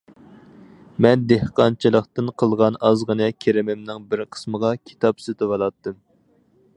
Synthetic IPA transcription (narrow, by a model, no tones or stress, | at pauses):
mɛnd̪ehqɑnt͡ʃʰɨlˠəqt̪ɨnqʰəlˠʁɑnɑzʁənɨkʲʰeɾɪmɪmnɪŋbɪɾqʰə̥sməʁɑkʲʰi̥t̪ʰɑpsyt̪ʰɪwɑlˠɑt̪ːɨm